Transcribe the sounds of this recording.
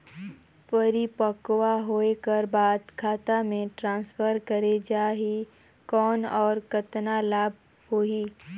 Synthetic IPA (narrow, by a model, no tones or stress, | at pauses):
pɐɾipəkwaɦoːekəɾbaːd̪kʰaːt̪amẽʈɾãːnsfʰəɾkəɾed͡ʒaːɦi | kɔːnɔːɾkɐt̪nalaːb̚ʱ | hoːiː